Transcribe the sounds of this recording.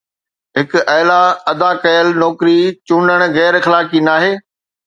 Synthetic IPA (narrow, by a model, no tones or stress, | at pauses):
ɦɪkʔɐːlaɐd̪akɐjəlnɔːkɾit͡ɕʊnəɽ̃ɣɛːɾxɐlaːkinaːɦeː